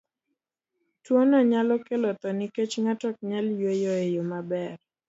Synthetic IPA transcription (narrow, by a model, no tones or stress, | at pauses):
twonɔɲalɔkelɔt̪ɔniket͡ʃŋatɔk̚ɲaljojɔejomabɛr